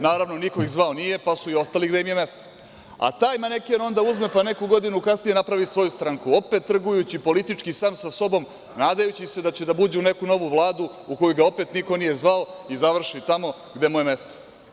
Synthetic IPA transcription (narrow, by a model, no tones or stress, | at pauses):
naːɾaʋno̞niko̞iɣzʋaonije̞pasuio̞st̪aliɡd̪e̞jimjeme̞st̪o̥ | a̰t̪aːjmanekiono̞nd̪auzme̞pane̞kuɡo̞d̪inukasnije̞napɾaʋisʋo̞just̪ɾaŋkuo̞pe̞t̪ːr̩ɡujut͡ɕipo̞lit̪it͡ʂkisaːmsaso̞bo̞m | naːd̪ajut͡ɕise̞d̪at͡ɕe̞d̪abud͡ʑeune̞kuno̞ʋuʋlˠaːd̪u | uko̞juɡao̞pe̞t̪niko̞nije̞zʋaoizaʋr̩ʃit̪amo̞ | ɡd̪emujeme̞st̪o̥